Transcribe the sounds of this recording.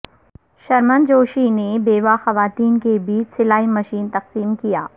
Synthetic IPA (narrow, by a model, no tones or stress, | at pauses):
ʃɐɾmənd͡ʒoːʃinebeːʋaxɐʋaːt̪iːnkebiːt͡ʃsɪlaːimɐʃiːnt̪ɐqsiːmkijaː